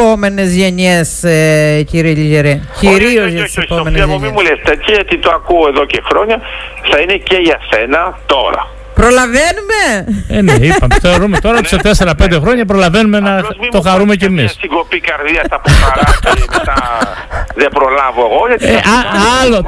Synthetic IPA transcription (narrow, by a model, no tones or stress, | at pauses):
ome̞nezʝeɲeseciɾieʎiʝeɾeciɾiozʝɐt̪i̥sepomenzemimulest̪ɐciʝɐt̪it̪oɐkuoeðocexɾo̞ɲɐθɐineceʝɐsenɐt̪o̞̰ɾɐ̰ | pɾolɐvenumeeneipɐmeθeɾoɾumet̪o̞ɾɐot̪iset̪eseɾɐpend̪exɾo̞ɲɐp̬ɾo̞lɐve̞numenɐt̪o̞xɐɾumecemissiɡopikɐɾðiɐsɐpoxɐɾɐtit̪ɐ | ðebɾo̞lɐvoeɣoʝɐt̪ʔaalo